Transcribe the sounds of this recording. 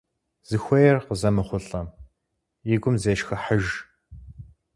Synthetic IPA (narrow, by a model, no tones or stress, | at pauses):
z̥ɨxʷɔjɛrqəzɐmɨχʷʊɬʼɐm | iɡʷʊmzeːʃxɐħəʒ